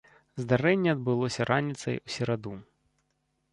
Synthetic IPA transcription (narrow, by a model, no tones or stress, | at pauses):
zd̪aɾɛnʲːɛɐd̪̚bɨlˠɔsʲɐɾʔanʲit̪sɐ̰jusʲɛɾad̪u